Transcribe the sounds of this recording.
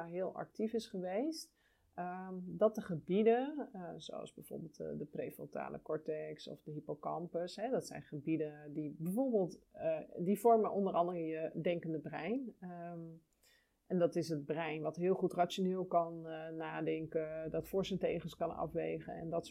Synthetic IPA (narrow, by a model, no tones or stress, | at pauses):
ɦɪːlˠɑ̰k̚tifɪsχəʋejst | ədɑt̚dəχəbidəzo̰wɑ̰lˠzbɛjv̥ʊ̰ːɹbelˠtdəprejfɔ̰ta̰ːlʔə̰kɔɹtɛksɔ̰fdəɦipəkɑmpəsɦɛdɑtsɛ̰jnχəbidəndibəvoːɹbəːlˠtdivɔɹmənʔɔndərɑndərənjədɛŋkəndəbrɛjn | ʔɛndɑtɪsɦəd̚brɛjnʋɑtɦɪːlˠχutrat͡ʃonɪːlˠkɑnːaːdɛŋkədɑtfʊɹsəntejχənskɑnɑ̰fʋḛjχə̰nɛ̰ndɑt